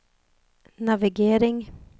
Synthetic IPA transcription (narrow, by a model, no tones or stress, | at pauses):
navɪɡeːɾɪŋ